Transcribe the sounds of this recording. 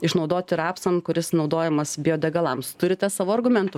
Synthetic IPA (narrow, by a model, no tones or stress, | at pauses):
ɪʃnɒʊd̪oːt̪ʲɪɾɑːpsɐnkʊɾʲɪsnɒʊd̪oːjɛmɐsbʲɪoːd̪ʲɛɡɐlˠɐmst̪ʊɾʲɪt̪ʲɛsɑːʋoːɐrɡʊmʲɛnt̪ʊ